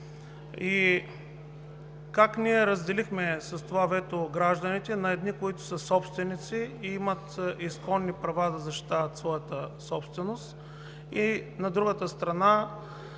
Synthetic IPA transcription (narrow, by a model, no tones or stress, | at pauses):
i | kakniɛɾəzd̪ɛlixmɛsɐst̪ovavɛt̪oɡɾaʒd̪ənit̪ɛnɐɛd̪nikoit̪ʊ̥səsɔpst̪vɛnit̪siimət̪iskɔnːipɾɐvad̪ɐzɐʃt̪i̥t̪avət̪svɔjət̪əsɔpst̪vɛnost̪ | inɐd̪ɾuɡət̪əst̪ɾɐna